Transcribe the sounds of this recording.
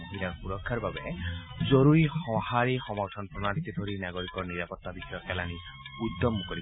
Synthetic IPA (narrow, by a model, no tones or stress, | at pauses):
ɦiɾapuɹɔkʰːaɹbabɛzoɹuɹixɔhaɹixɔmɔɹtʰɔnpɹɔnanit̪id̪ʱoɹinaɡoɹikɔɹniɹapɔt̪ːabixɔjɔkɛlani | ud̪ːɔmːɔkoɾi